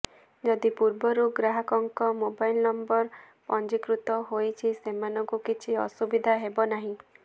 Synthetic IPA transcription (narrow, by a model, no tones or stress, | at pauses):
d͡ʒɔd̪ipuɾbɔɾuɡɾaɦakɔŋkɔmobajlnɔmbɔɾ | pɔnd͡ʒikɾut̪ɔɦojt͡ʃʰisemanɔŋkukit͡ʃʰiɔsubid̪ʱaɦebɔnaɦĩ